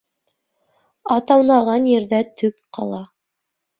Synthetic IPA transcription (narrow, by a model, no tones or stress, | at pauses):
ɑt̪ɑwnɑʁɑnjɘ̆ɾðæt̪ʰɵkqɑ̰lˠɑ